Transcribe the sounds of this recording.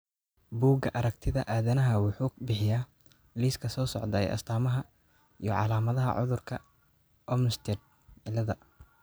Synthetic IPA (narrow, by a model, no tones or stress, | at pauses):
buːɡɐʔɐɾɐk̚t̪ʰɪðɐʔaːðɐnɐɦɐwɑħuːbɪħɪjaː | liːskʰɐsɔːsɔʕd̪ɐɛ̰jʔɐ̰st̪ʰaːmɐɦɐ | ijɔʕɑ̰laːmɐðɐɦɐ̰ʕʊ̰ðʊrkʰɐ | ʔɔmst̪ʰɛd̪ | ɪlɐðɐ